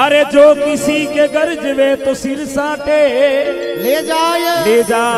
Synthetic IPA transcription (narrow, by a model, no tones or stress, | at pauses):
əɾeːd͡ʒoːkɪsiːkeːɡəɾd͡ʒɪʋeːt̪oːsiɾsãːʈeː | led͡ʒaːjleːd͡ʒaː